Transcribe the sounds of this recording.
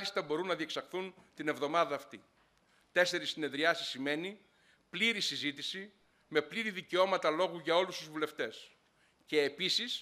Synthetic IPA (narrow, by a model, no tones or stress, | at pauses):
list̪ɐbo̞ɾunːɐðie̞ksɐxθunt̪ine̞vðo̞mɐðɐːft̪i | t̪e̞se̞ɾisːine̞ðɾiɐsi̥sime̞ni | pliɾisizit̪isi | me̞pliɾiðiceo̞mɐt̪ɐlo̞ɣuʝɐo̞lust̪uzvule̞ft̪e̞s | ce̞ːpisis